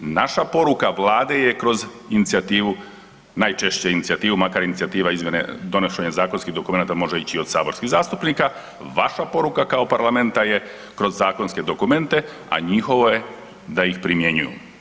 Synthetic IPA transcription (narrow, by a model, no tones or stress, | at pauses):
naʃapo̞ɾukaʋlˠaːd̪e̞jekɾo̞z | init̪siat̪iːʋu | najt͡ʃe̞ʃt͡ɕeinit̪siat̪iːʋumakaɾjinit̪sijat̪iːʋaizmje̞nḛd̪o̞noʃeɲezaːko̞nskiɦd̪o̞kume̞naːt̪amo̞ʒeit͡ɕio̞d̪saːbo̞ɾskiɣzaːst̪upniːka | ʋaʃapo̞ɾukakaopaɾlˠame̞nt̪aje̞ | kɾo̞zːaːko̞nske̞d̪o̞kume̞nt̪e̞ | a̰ɲixo̞ʋo̞je̞ | d̪ajixpɾimje̞ɲujṵ